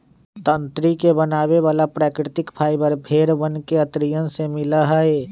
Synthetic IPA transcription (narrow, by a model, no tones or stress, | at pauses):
t̪ə̃nt̪ɾikebənaːʋeʋaːlapɾaːkɾɪt̪ɪkpʰaːɪbəɾbʱeːɾʋənkeət̪ɾijənsemɪlaɦəe